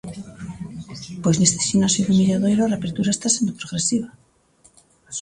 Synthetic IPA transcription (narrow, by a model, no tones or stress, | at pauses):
pweznest̪e̥ʃinoasiðumiʎaðojlareapeɾt̪uɾaest̪asjend̪opɾoɣɾesiβa